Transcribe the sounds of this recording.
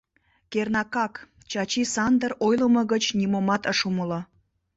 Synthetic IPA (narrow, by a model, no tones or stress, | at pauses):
kernɑkɑk | t͡ɕɑt͡ɕisɑnd̪ərojlə̆mə̆ɣət͡ɕnʲimomɑt̪əʃuməlɤ